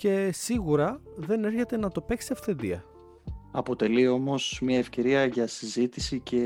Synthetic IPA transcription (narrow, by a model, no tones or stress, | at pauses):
ce̞siɣuɾɐðe̞ne̞ɾçe̞t̪e̞nɐt̪o̞pe̞ksiɐfθe̞nd̪ḭɐ̰ | ɐpo̞t̪e̞lio̞mo̞smɲɐe̞fce̞ɾiɐʝɐsizit̪isice̞